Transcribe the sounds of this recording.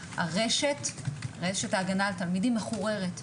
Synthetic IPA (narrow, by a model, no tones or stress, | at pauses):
a̰ʁeʃetʁeʃetaːɡanaltalmidimːeχuʁe̞ʁet